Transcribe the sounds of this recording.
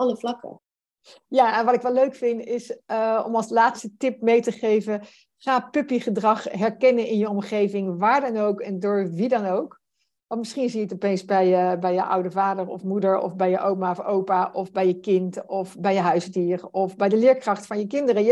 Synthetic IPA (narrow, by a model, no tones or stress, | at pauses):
ɑləflɑkə̰ | jaːɛnʋɑtɪkʋɛløɥkfɪntɪsəɔ̰mɑlˠslaːtstətɪp̚mejtəχejvə | χaːpɵpiχədrɑχɦɛɹkɛnənɪnjəɔmχejvɪŋʋaːɹdɑnowkɛndʊːɹʋidɑnowk | ʋɑntmɪsχinzijəətɔpejnsbɛjəbɛjəʔʌ̰wdəvaːdəɹɔ̰fmudəɹɔ̰fbɛjəʔowmafowpaʔɔfbɛjəkɪntɔfbɛjəɦœɥzdiːrɔfbɛjdəlɪːɹkrɑχtfɑnjəkɪndərə